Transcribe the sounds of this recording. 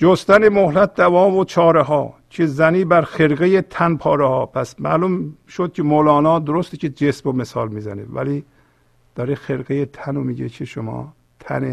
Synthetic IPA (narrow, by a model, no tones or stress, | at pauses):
d͡ʒost̪ænemohlæt̪̚d̪ævɒːvot͡ʃʰɒːɾeɦɒːcʰezæniːbæɾxeɾɡejet̪ʰænpʰɒːɾehɒːpʰæsmæ̰lumʃod̪̥̚cʰʲemolɒːnɒːd̪oɾost̪ecʰed͡ʒesmomesɒ̰ːlmiːzæ̰nḛvæ̰liː | d̪̥ɒːɾexelɡejet̪ʰænomiɟekʰeʃomɒ̰ː | t̪ʰæ̰ne